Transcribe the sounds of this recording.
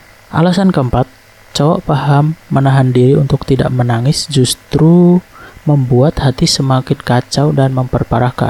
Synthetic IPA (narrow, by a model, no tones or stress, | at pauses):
ʔa̰lasankəmpat̪̚ | t͡ʃawaʔpaɦamːənaɦandiɾiunt̪ʊk̚t̪ida̰ʔmənaŋɪsd͡ʒust̪ɾu | məmbuat̪hat̪isəmakɪnkat͡ʃawdanməmpərpaɾahka̰n